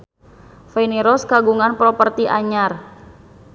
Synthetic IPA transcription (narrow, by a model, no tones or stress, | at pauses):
fɛniɾɔskaɡuŋanpɾɔpərt̪iʔa̰ɲar